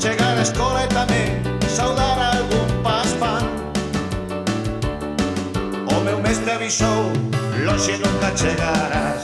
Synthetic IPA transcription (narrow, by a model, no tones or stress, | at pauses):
t͡ʃeɣaɾaeskɔlaet̪ameŋsawðaɾaːlɣumpaspan | omewmest̪ɾeaβisowlɔʃinũŋkat͡ʃeɣaɾa